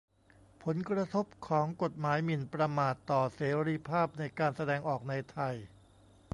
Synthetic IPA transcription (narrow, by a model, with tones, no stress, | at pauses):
pʰo˩˦nkɾa˧t̪ʰo˦˥p̚kʰɔː˩˦ŋko˨˩t̪̚maː˩˦jmi˨˩npɾa˧maː˨˩t̪ːɔː˨˩seː˩˦ɾiː˧pʰaː˥˩p̚na˧jkaː˧nsa˧dɛː˧ŋʔɔː˨˩k̚na˧jt̪ʰa˧j